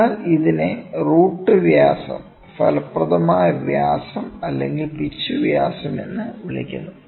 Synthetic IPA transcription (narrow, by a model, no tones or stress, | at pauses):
aːliðine̞ruːʈːɨʋjaːsɐ̰m | fɐ̰lɐprɐðɐmaːjɐʋjaːsɐmɐlːe̞ŋɡilbit͡ɕːuʋjaːsɐme̞nːɨʋiɭḭkʲːṵnːuɨ